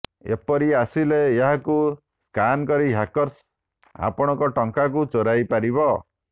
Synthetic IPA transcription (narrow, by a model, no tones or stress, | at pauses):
ḛpɔɾiasileːɦaku | kankɔɾiɦakɔɾs | a̰pɔɽ̃ɔŋkɔʈɔŋkak̬ut͡ʃoɾajpaɾibɔ